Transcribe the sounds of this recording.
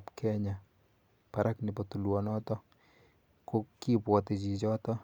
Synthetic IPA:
pkʰɛɲa | paɾʔaknɪpɔt̪ulwɔnɔtɔ | kokipwɔt̪it͡ʃit͡ʃɔt̪ɔ

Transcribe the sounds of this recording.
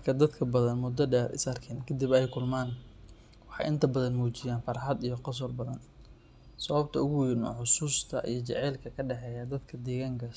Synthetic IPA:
mrkʰɐd̪ɐd̪kʰɐbɐðɐnmʊd̪ɔɖɛːɾɪ̰sɐrkʰɛnkʰɐd̪ibɛjkʰʊlmaːn | wɑħɑ̰jʔɪnt̪ʰɐbɐðɐnmuːt͡ʃɪjaːnfɑɾħɑd̪ijɞqɑs̬ɔrbɐðɐn | sɐβɐb̚t̪ʰɐʊɣʊjɪnɔ̰ːħʊsuːst̪ʰɐ̰ʔḭjɞt͡ʃɛ̰ʕɛːlkʰɐkʰɐɖɛħɛːjɐd̪ɐd̪kʰɐd̪ɛːɣaːŋkʰɐ

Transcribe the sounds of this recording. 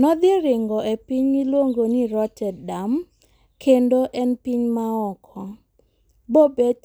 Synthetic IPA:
nɔd̪ɪeɾɪŋɡɔepiɲɡilwoŋɡoniɾɔtʰɛdam | kʰendoʔɛnpiɲmaɔkʰɔ | bobe

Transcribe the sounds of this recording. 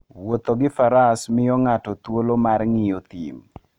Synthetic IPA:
wot̪oɡɪfaɾasmɪjɔŋatɔt̪wolomarŋɪjot̪ḭm

